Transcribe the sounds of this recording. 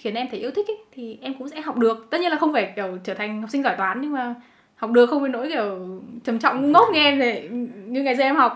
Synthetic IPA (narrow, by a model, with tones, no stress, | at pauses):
xi˨˦ənʔɛ˧mt̪ʰe˧˩i˧ət̪i˦˥k̚ə˨˦jt̪ʰi˨˩ʔɛ˧mkʊ̰˧˥ŋ͡msɛ̰˧˥ɦa˨˩wk͡p̚ɗɨ˨˩ək̚t̪ə˦˥t̚ɲ˧nlaː˨˩xə˧wŋ͡mfa˧˩kɛ˧˩wt͡ɕəː˧˩t̪ʰa˨˩ŋ̟hk͡p̚si˧ŋ̟zɔ˧˩jt̪waː˨˦nɲɨ˧ŋmaː˨˩ | hk͡p̚ɗɨ˨˩əkxə˧wŋ͡mə˨˧˩no̰˧˥jkɛ˧˩wt͡ɕə˨˧˩mt͡ɕɔ̰˧˨wŋ͡mŋɨ˧ŋo˦˥t̚ŋɛ˧ʔɛ˧mt̪ʰe˨˩ɲɨ˧ŋa˨˩jzəː˧˩˨ʔɛ˧mha˨˩k͡p̚